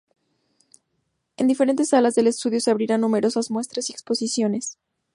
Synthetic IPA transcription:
end̪ife̞ɾe̞nt̪e̞sːalazðe̞le̞st̪uðjo̞se̞aβɾiɾanːũme̞ɾo̞sazmwe̞st̪ɾasiekspo̞sisjo̞ne̞s

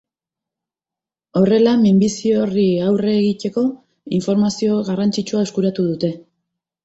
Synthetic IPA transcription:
o̞re̞lamimbisio̞riawre̞ɣit̪e̞ko̞ | iɱfo̞ɾmasio̞ɣarant͡sit͡ʃuae̞skuɾat̪uðut̪e̞

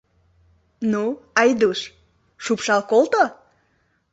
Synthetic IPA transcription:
nuɑjd̪uʃ | ʃupʃɑlˠkolˠt̪o

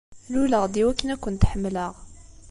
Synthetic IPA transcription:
luləʁd̪iwækːənækʊnt̪ħəmːləʁ

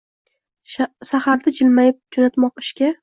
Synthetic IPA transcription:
ʃaχaɾd̪ad͡ʒɪlmajɪp̚d͡ʒonat̪mɒqɪ̥ʃkʲa

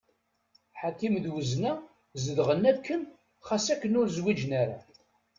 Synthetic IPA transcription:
ħakimðwəznæ | zəðʁənːækːən | χasækːənʊɾzwid͡ʒnaɾa̰

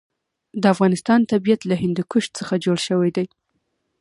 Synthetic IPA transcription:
d̪əafɣɑnɪst̪ɑnt̪abijat̪laɦɪnd̪ikʊʃt̪̚t͡səxad͡ʒoɽʃəwajd̪aj

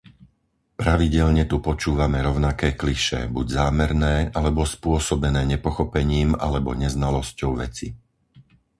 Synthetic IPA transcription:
pɾaʋiɟɛʎɲɛt̪upɔt͡ʃuːʋamɛɾɔʊnakɛːkliʃɛ̰buɟzaːmɛɾnɛːʔalɛbɔspʊɔsɔbɛnɛːɲɛpɔxɔpɛɲiːma̰lɛbɔ̰ɲɛznalɔscɔʊʋɛ̰t͡si

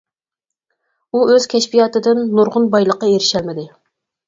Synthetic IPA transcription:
uøz̥kʲʰɛʃpijɑːt̪ɨd̪ɪnːuɾʁʊnbɑjlˠəqːɑeɾɪʃɛlmɪd̪ɪ

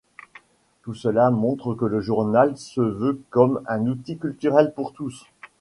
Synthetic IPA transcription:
t̪usəlamɔ̃t̪χəkələʒuʁnalsəvøkɔmɛ̃nut̪ikʲylt̪yʁɛlpuʁt̪us

